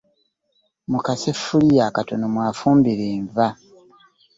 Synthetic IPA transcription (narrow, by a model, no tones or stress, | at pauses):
mukase̞fːulijakato̞no̞mwaːfuːmbiɾeːɱva